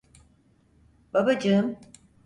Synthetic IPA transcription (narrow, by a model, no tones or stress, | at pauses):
b̥abad͡ʒɯm